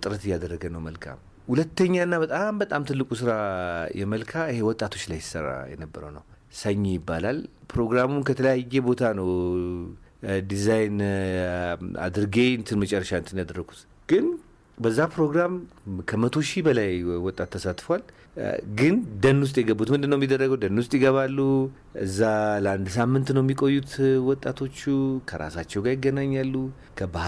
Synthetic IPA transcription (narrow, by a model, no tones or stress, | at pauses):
t̪ʼɨɾət̪ɪjːad̪ərːəɡənəwməlkʰa̰m | hulət̪ːəɲːaɨnːabət̪ʼambət̪ʼamt̪ʰɨlːɨkʼusɨɾajɛməlkʰaɨhe̞wɔt̪ʼːat̪ʰot͡ʃːlajsɪ̥səɾa̰jɛ̰nəbːəɾə̰wnə̰w | səɲːejɪbːalalpɾo̞ɡɾamunkʰət̪ʰələjajːɛbo̞t̪ʰanəw | d̪izajn | a̰d̪ɨɾɨɡeɨnt̪ʰɨnmət͡ʃʼɛrːəʃaɨnt̪ɨnjad̪ərːəɡʰut̪ | ɡ̥ɨn | bəzːapɾo̞ɡɾamkʰəmət̪ʰo̞ʃibəlajwɔt̪ʼːat̪ʰːəsat̪ʼfəwal | ɡɨnd̪ənːʊs̬t̪ʼjɛɡəbːut̪mɨnd̪ɨnːəwjemːid̪ːərːəɡəwd̪ənːʊst̪ʼjɪɡəβalːu | ʔɨ̰zːaləand̪samːɨnt̪nəwɛmːikʼo̞jːut̪ʰwɔt̪ʼːat̪ʰo̞t͡ʃːukʰəɾa̰sat͡ʃːɛwɡaɾjɪɡːənaɲːalːu | kʰəba